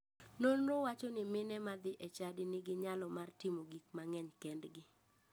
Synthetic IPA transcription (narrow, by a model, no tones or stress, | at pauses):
nonɾowat͡ʃɔnɪmɪnɛmad̪ɪʔɛt͡ʃadɪnɪɡɪɲalɔmartɪmoɡikmaŋɛɲkɛndɡɪ